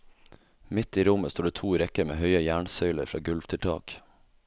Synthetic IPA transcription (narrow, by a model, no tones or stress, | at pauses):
mɪt̪iːɾʊməst̪uːɖeːt̪ʰuːɾɛkəɾmḛːhœʏəjæːɳsœʏləɾfɾɑ̰ːɡʉlʋt̪ʰɪlt̪ʰɑ̰ːk